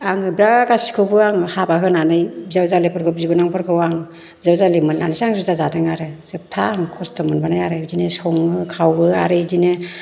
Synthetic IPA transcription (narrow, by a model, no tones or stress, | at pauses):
aŋɯbɾaɡasi̥kʰɯbɯaŋhabakʰɯnanɯjzawzalepʰɯɾkʰɯb̚zibɔnaŋpʰɯɾkʰɯwaŋ | zawzalemɯnːa̰nɯsaŋzɯwzazatɯŋaɾɯsɯp̚tʰaŋkʰɔstʰɯmɯnbanajaɾɯjzinɯsɔŋɯkʰawɯa̰ɾɯjdinɯ